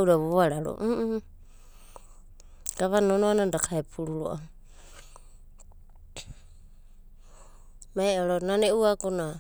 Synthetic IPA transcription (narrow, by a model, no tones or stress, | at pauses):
wɾaβoaɾaɾo̰ | ɡ̥aβanonoanandakʰaepʰuɾuɾo̰ʔa | maeoɾonaneʔuaɡona